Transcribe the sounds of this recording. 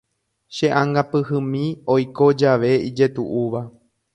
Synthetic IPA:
ʃe̞ʔãŋɡapɨhɨ̃mĩojko̞d͡ʒaʋe̞id͡ʒe̞t̪ṵʔuʋa

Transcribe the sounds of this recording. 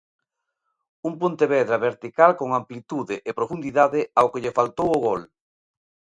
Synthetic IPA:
umpont̪eβɛðɾɐβeɾt̪ikalkoŋamplit̪uðɪʔɪpɾofund̪iðaðɪawkɪʎefalt̪owʊɣɔl

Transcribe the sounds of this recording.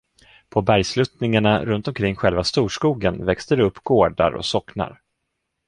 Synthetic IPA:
pʰɔbæɾjslɵt̪nɪŋaɳaɾɵnt̪ɔmkʰɾɪŋːɧɛlvast̪uːʂkuːɡənvɛkst̪əɾɛɵpːɡ̥oːɖa̰ɾɔ̰sɔkna̰ɾ

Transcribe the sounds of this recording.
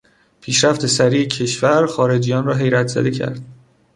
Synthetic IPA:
pʰiːʃɾæft̪ʰe̞sæɾiːecʰe̞ʃvæɾxɒːɾe̞d͡ʒijɒːnrɒːɦe̞jɾæt̪ʰz̥æ̰d̪e̞cʰæ̰ɾd̪̥

